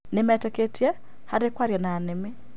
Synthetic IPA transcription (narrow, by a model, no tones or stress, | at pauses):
nɪmɛtɛketʰjɛ | haɾekwaɾjɛnaːnɪme